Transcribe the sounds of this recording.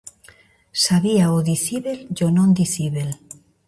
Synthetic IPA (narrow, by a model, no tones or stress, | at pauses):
saβiaoðiθiβelʝonõnd̪iθiβel